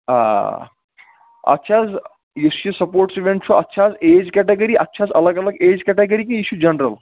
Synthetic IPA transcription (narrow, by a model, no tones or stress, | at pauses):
a̰ | ɐ̰tːʃʰaːz | jisɐsɐpoːɾʈsiʋeɳʈt͡ʃʰuʔɐtːʃʰaːzeːd͡ʒkɛʈeɡɐɾiʔɐtːʃʰaːzɐlɐɡɐlɐɡeːd͡ʒkɛːʈeɡɐɾikɐ̃iʃjud͡ʒɐnɾɐl